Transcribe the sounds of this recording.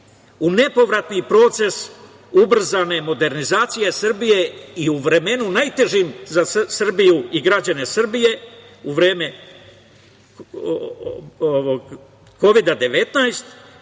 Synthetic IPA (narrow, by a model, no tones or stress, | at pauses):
une̞po̞ʋɾat̪nipɾo̞ːt̪se̞s | ubr̩zane̞mo̞d̪e̞ɾnizaːt̪sije̞sr̩bije̞iuʋɾe̞me̞nunajt̪e̞ʒimzasr̩bijuiɡɾad͡ʑane̞sr̩bije̞ | uʋɾe̞ːme̞ | oʋoɡ | ko̞ʋid̪ad̪e̞ʋe̞t̪najst̪